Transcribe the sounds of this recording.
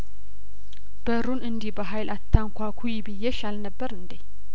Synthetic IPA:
b̥əɾunɨnd̪ibəɦajlʔat̪ʰːaŋkʷʰakʰujɪbɨjːɛʃalnəbːəɾɨnd̪e

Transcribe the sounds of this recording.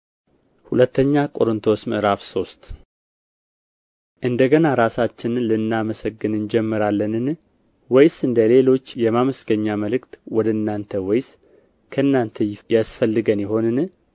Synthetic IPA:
hulət̪ːəɲːakʼo̞ɾɨnt̪ʰo̞smɨʔɨɾafso̞st̪ | ʔɨnd̪əɡənaɾasat͡ʃːɪnlɨnːaməsəɡːɨnɨnd͡ʒɛmːɨɾalːənɨn | wɔjsɨnd̪əle̞lo̞t͡ʃːjɛmaməsɡəɲːaməlɨkt̪wɔd̪əɨnːant̪ʰəwɔjs | kʰəɨnːant̪ʰəjasfəlːɨɡənjɪɦo̞nɨn

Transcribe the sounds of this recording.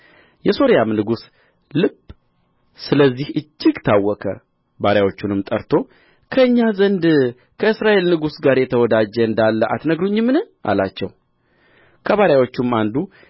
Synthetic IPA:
jɛso̞ɾijamnɨɡus | lɨb̥ | sɨləzːihɨd͡ʒːɪɡt̪ʰawːɔkʰə̰ | baɾjawo̞t͡ʃːunɨmt̪ʼəɾt̪ʰo̞ | kʰəɨɲːazənd̪ | kʰəɨsɾaʔe̞lnɨɡusɡaɾjɛt̪ʰəwɔd̪ad͡ʒəɨnd̪alːəʔa̰t̪nəɡɾuɲːɪmːɨnɨʔa̰lat͡ʃːɛ̰w | kʰəβaɾjawo̞t͡ʃːumand̪u

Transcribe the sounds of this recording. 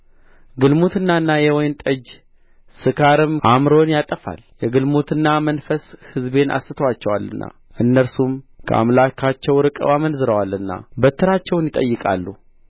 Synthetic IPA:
ɡɨlmot̪ʰɨnːaɨnːajɛwɔjnt̪ʼəd͡ʒ | sɨkʰaɾɨmʔamɾo̞njat̪ʼəfa̰ljɛɡɨlmot̪ʰɨnːamənfəshɨzbe̞nʔa̰sɨt̪ʰəwat͡ʃːɛwalːɨ̰nːa̰ | ʔɨnːəɾsumkʰə̰ʔa̰mlakʰat͡ʃːɛwɾɨkʼə̰wamənzɨɾəwalɨnːa̰bət̪ʰːɨɾat͡ʃːɛwnjɪt̪ʼə̰jːɨkʼa̰lːu

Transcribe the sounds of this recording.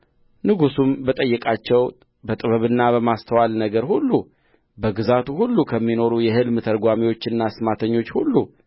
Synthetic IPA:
nɨɡusumbət̪ʼəjːɛkʼat͡ʃːɛw | bət̪ʼɨβəβɨnːabəmast̪ʰəwalnəɡəɾhulːu | bəɡɨzat̪uhulːukʰəmːino̞ɾujɛhɨlmt̪ʰəɾɡʷamiwo̞t͡ʃːɨnːasɨmat̪ʰəɲːo̞t͡ʃːhulːu

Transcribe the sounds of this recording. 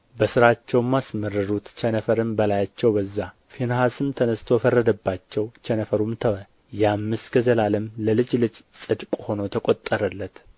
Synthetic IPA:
bəsɨɾat͡ʃːɛwmasmərɨɾut̪t͡ʃʰɛnəfəɾɨmbəlajat͡ʃːɛwbəzːa | fenəhasɨmt̪ʰənəst̪ʰo̞fərːəd̪əbːat͡ʃːɛwt͡ʃʰɛnəfəɾumt̪ʰəwə | jamːɨsɡəzəlaləmləlɨd͡ʒlɨd͡ʒsʼɨd̪kʼho̞not̪ʰəkʼo̞t̪ʼːəɾəlːət̪

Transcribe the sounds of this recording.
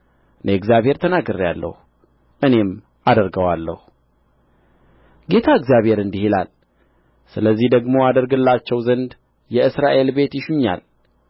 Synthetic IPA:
ɨnʔeɛɡzjaβhe̞ɾt̪ʰənaɡəɾja̰lːə̰hu | ʔɨne̞m | ʔad̪əɾɡəwalːə̰hu | ɡe̞t̪ʰaɨɡzjaβhe̞ɾɨnd̪ihila̰l | sɨləzːihd̪əɡmo̞ad̪əɾɡɨlːat͡ʃːɛwzənd̪ | jɛɨsɾaʔe̞lbe̞t̪jɪʃuɲːa̰l

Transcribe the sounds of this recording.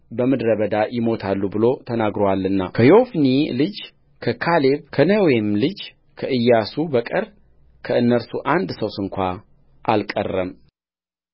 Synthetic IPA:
bəmɨd̪ɾəβəd̪ajɪmo̞t̪ʰalːubɨlo̞t̪ʰənaɡɾowalːɨnːa̰kʰəjo̞fnilɨd͡ʒ | kʰəkʰale̞βkʰənəwemlɨd͡ʒ | kʰəʔɨjːasubəkʼəɾ | kʰəɨnːəɾsuʔand̪səwsɨŋkʷa | ʔalkʼə̰rːəm

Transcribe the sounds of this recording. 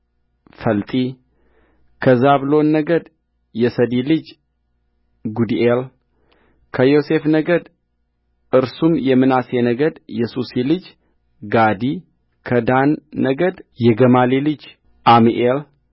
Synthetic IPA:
fəlt̪ʼi | kʰəzaβlo̞nːəɡəd̪ | jɛsəd̪ilɨd͡ʒ | ɡud̪iʔel | kʰəjo̞se̞fnəɡəd̪ | ʔɨɾsumjɛmːɨnase̞nəɡəd̪jɛsusilɨd͡ʒ | ɡad̪i | kʰəd̪anːəɡəd̪jɛɡəmalilɨd͡ʒ | ʔamiʔel

